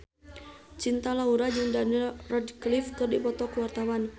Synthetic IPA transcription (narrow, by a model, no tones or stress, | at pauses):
t͡ʃint̪alauɾad͡ʒɨŋdanilrɔdklifkɨrdipɔt̪ɔkəwart̪awan